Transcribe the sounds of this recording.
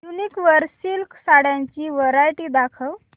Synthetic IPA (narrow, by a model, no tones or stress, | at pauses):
juniːkʋəɾsilksaɽjãɲt͡ɕiːʋəɾajʈiːd̪akʰəw